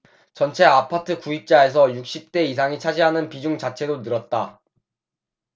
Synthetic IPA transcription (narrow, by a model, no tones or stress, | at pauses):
t͡ɕʌnt͡ɕʰe̞apʰatʰɯkuip̚t͡ɕ͈ae̞s̬ʰʌjuk̚ɕ͈ip̚t͈e̞is̬ʰaŋit͡ɕʰad͡ʑiɦanɯnpid͡ʑuŋt͡ɕat͡ɕʰe̞donɯɾʌt̚t͈a